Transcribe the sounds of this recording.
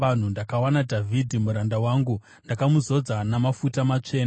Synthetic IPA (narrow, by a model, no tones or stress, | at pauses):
an̤undakawanadʱavʱidʱimuɾandawaːŋɡu | ndakamuzo̞d͡zanamafutamat͡ʂe̞ːna